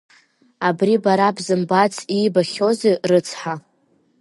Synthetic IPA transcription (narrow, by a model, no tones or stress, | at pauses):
abribaɾabzɨmbat͡sʰʼibaχʲo̞zerɨt͡sʰħa